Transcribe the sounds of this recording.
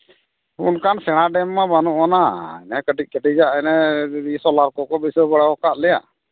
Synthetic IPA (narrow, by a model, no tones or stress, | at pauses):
unkansɛɽ̃aɖɛmːabanuʔɔnaɛnɛkəʈic̚kəʈid͡ʒaʔɛnɛɾisɔlaɾkɔkɔbisɔbəɽaɔkaʔlɛja̰ʔ